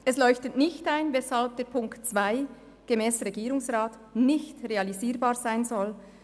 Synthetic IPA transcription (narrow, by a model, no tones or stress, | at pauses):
ʔɛslɔʏçtətnɪçtaɪnvɛshalb̚d̥eːɐɾpʰʊŋktt͡sv̥aɪ | ɡ̥emɛːsʁeɡiːɾʊŋsʁaːt | nɪçtreɑliziːɾbaːɾz̥aɪnzɔl